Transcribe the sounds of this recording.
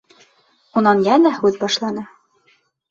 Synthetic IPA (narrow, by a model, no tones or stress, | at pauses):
unɑnjænæhʉðbɑʃlˠɑnɤ